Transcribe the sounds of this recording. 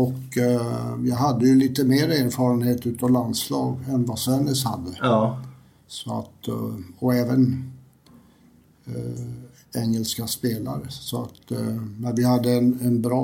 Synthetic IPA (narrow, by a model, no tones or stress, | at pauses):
ɔk | jɑɦad̪ːəjɵliːt̪əmeːɾeːɾfɑːɾənheːt̪ʉ̟ːt̪ɑːvland̪slɑːɡɛnvasvɛnɪsha̰d̪ːə | sɔa̰t̪ɔɛːvən | ɛŋːɛlskaspeːla̰ɾəsɔat̪næɾvɪhad̪ːəɛnɛnbɾɑː